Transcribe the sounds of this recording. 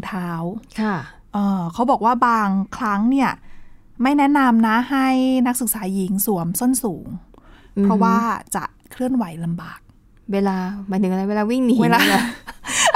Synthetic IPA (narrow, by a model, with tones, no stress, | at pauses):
t̪ʰaː˦˥wkʰa˥˩ | ʔɤː˧kʰa˦˥wbɔː˨˩k̚waː˥˩baː˧ŋkʰɾa˦˥ŋni˥˩ɐ | ma˥˩jnɛ˦˥ʔna˧mna˦˥ha˥˩jna˦˥k̚sɯ˨˩k̚saː˩˦ji˩˦ŋsu˩˦əmso˥˩nsuː˩˦ŋ | pʰɾa˦˥waː˥˩t͡ɕa̰˨˩ʔkʰɾɯ˥˩ənwa˩˦jla˧mba̰ː˨˩k̚ | weː˧laː˧maː˨˦jt̪ʰɯ˨˩˦ŋa˧a˧jweː˧laː˧wi˥˩ŋni˦˧laː˧